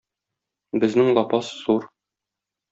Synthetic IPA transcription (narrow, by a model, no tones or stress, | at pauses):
bɘ̆znɘŋlˠɒpɑsːuɾ